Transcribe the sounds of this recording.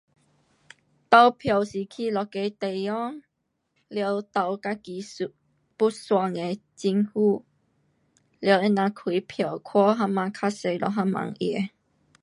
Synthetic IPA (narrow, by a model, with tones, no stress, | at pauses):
t̪a˧wpʰja˨˩wsi˨kʰi˧lɔ˨˧ke˧jt̪e˨jjɔ˦˥ŋ | ljə˧˦wt̪a˨˩wka˧ki˨˦su˨ | pu˦˥swa˧ŋe˨˧t͡ɕi˧ŋhu˥˧ | ljə˧˦e˦˧nã˧kʰi˨˦pʰjə˨˩wkʰwɔ˦˥ɦa˥mːã˧kʰa˦˥se˧jlɔ˨ɦa˧˥mːã̰˨˧˦ŋʔɛ˧˦